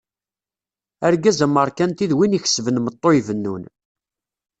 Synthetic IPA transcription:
æɾɡæzəmːəɾˤkænt̪iðwiniç̥svənmət̪ˤːoivənːṵn

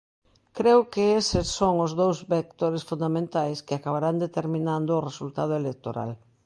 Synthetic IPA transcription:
kɾewkɪesɪsːoŋʊzðowzβek̚t̪oɾesfund̪amẽnt̪ajskɪakaβaɾand̪et̪eɾmĩnand̪oːresult̪að̞ʊelek̚t̪oɾa̰l

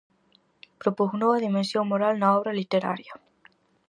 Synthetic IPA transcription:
pɾopusnweβaðimensjo̞ŋmoɾalnaoβɾalit̪eɾa̰ɾja

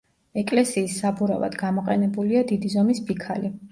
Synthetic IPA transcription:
ɛkʼlɛsiːsːabuɾa̰va̰d̪ɡamɔqʼɛnɛbuliad̪id̪izɔmisbikʰali

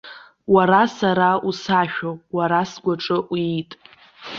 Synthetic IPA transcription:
waɾasaɾausaʃᶣowaɾasɡʷaʈ͡ʂʼɨʔwtʼ

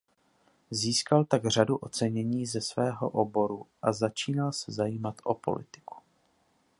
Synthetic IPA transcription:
ziːskalt̪aɡr̝aduʔo̞t͡sɛɲɛɲiːzɛsvɛːɦo̞̰ʔobo̞ɾuʔazat͡ʃiːnalsɛzajiːmat̪ʔo̞po̞̰lɪt̪ɪ̥ku̥

